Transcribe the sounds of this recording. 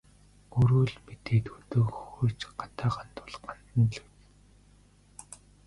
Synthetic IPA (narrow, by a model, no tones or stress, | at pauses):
ɵɾɵːɮmet̪eːt̪ut̪ɵːkxoːt͡ɕɢḁt̪aːɢan̥t̪ʊ̥ɮɢan̥t̪ə̆nɮɵw